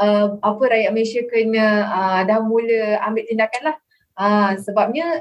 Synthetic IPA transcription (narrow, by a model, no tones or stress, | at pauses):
əapəɾajaʔmənesiakəɲə̃ədamːuləambɪʔ̚t̪indakanlah | əsəbap̚ɲə̃